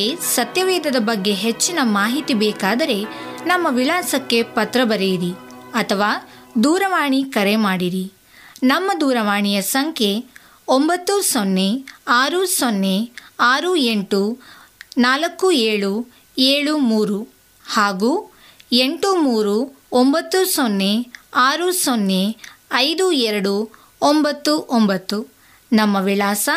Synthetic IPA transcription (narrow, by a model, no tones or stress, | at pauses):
esɐt̪jɐʋɛːd̪ɐd̪ɐbɐɡːe̞ɦet͡ʃːinɐmaːɦit̪ibɛːkaːd̪ɐɾe̞nɐmːɐʋiɭaːsɐkːe̞pɐt̪ɾɐbɐɾejiɾiɐt̪ʰɐʋaːd̪uːɾɐʋaːɳikɐɾe̞maːɽiɾi | nɐmːɐd̪uːɾɐʋaːɳijɐsɐŋkʰe̞ | ombɐt̪ːusonːe̞aːɾusonːe̞aːɾueɳʈu | naːlɐkːueːɭu | eːɭumuːɾu | haːɡuː | eɳʈumuːɾu | ombɐt̪ːusonːeaːɾusonːe̞ɐjd̪uɛɾɐɽu | ombɐt̪ːuʔombɐt̪ːu | nɐmːɐʋiɭaːsɐ